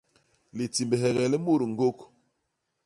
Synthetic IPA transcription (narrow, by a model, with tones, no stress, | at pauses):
li˨ti˨mbɛ˨ɦɛ˨ɣɛ˨lɛ˦mo˦˨ɾŋ̩˦ɡo˦k